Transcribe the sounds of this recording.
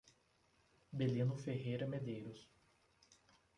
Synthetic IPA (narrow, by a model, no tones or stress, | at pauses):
belĩnʊfeɦejɾɐmed̪ejɾʊs